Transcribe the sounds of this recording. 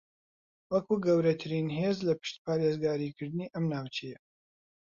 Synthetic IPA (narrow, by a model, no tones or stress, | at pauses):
wɐkuːɡɐwɾɐt̪ʰɨɾiːnɦeːzlɐpɨ̥ʃt̪paːɾeːzɡaːɾiːkʰɨɾd̪ɨniːʔɐmnaːwt͡ʃʰejɛ